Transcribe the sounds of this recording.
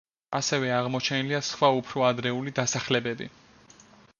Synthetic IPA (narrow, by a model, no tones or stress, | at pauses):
asɛvɛaʁmɔt͡ʃʰɛniliasχwaupʰɾɔad̪ɾɛulid̪asaχlɛbɛbḭ